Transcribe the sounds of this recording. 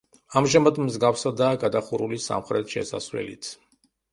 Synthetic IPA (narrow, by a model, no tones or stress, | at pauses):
amʒamad̪mzɡafsad̪aːɡad̪aχuɾulisa̰mχɾɛt̪ʰʃɛ̰sa̰svlɛ̰lḭt̪ʰ